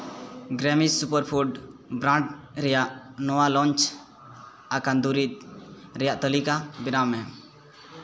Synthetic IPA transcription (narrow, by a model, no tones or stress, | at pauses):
ɡɾɛmissupəɾpʰuɖbɾãɳʈɾɛjaʔnɔwalɔnt͡ʃ | akand̪uɾit̪̚ɾɛjaʔt̪əlikabiɾamɛm